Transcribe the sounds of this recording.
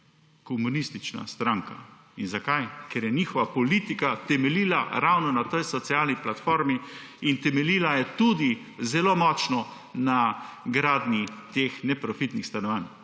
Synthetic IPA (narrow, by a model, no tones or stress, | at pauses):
kɔmunist̪it͡ʃna̰st̪ɾaːŋka̰ | inzakajkɛɾjɛniːxɔʋapɔliːt̪ikat̪ɛmɛliːla̰ɾawnɔnat̪əjsɔt̪siaːlniplat̪foːɾmi | int̪ɛmɛliːlajɛt̪ud̪i | zɛloːmɔːt͡ʃnɔ | naɡɾaːd̪nit̪eːxnɛpɾɔfit̪nixst̪anɔʋaːn